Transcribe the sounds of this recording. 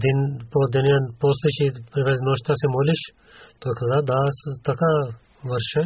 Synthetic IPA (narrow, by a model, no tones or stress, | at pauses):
d̪inpoːɾd̪ɐnjãpoːst̪ɐt͡ʃʰipɾiʋɐnoːʃt̪asemoːliʃ | t̪okʰɐzaːɾd̪aːst̪ɐka | ʋɐɾʃɐ